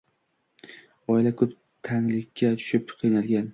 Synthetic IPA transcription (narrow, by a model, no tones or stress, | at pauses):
ɒɪlakʰɵp | t̪ʰaŋlɪkʲʰːat̪ʰʊ̥ʃɪp̚qʰɨjnalɡʲan